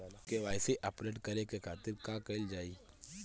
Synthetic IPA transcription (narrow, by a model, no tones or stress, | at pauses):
keʋaːɪseʔɐpɾeːʈkɐɾekekʰaːt̪ɪɾkãːkɐɪld͡ʒaːiː